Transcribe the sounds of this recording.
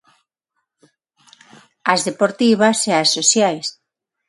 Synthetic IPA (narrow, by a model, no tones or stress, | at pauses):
ɐzðepoɾt̪iβaseasːoθjajs